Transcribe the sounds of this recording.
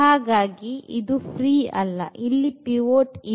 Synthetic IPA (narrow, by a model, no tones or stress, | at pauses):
aːɡaːɡiid̪upʰɾiːɐlːɐ̰ʔilːipiʋoːʈi